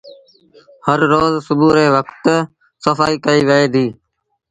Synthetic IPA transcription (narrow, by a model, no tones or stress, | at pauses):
həɾːoːzsʊbuːɾeːʋəkt̪ | səfaːiːkəiːʋəeːd̪ʱiː